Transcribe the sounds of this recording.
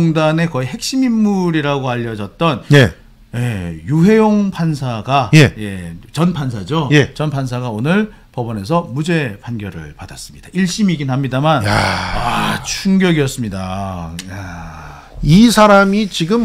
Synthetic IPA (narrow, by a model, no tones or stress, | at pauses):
ŋdane̞kʌihe̞k̚ɕ͈iminːuɾiɾaɡoaʎːʌd͡ʑʌt̚t͈ʌne | jejuɦe̞joŋpʰansʰaɡajeje̞t͡ɕʌnpʰans̬ʰad͡ʑojet͡ɕʌnpʰansʰaɡaonɯɭ | pʌbʌne̞s̬ʰʌmud͡ʑe̞pʰanɡjʌɾɯ̰ɭpadas͈ɯ̥mɲid̥aiɭɕ͈imiɡinhamɲidamanat͡ɕʰuŋɡjʌɡijʌs͈ɯmɲida | isʰaɾamit͡ɕiɡɯm